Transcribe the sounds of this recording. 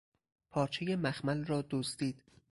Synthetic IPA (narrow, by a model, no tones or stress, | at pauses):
pʰɒːɾt͡ʃʰejemæxmælrɒːd̪ozd̪iːd̪̥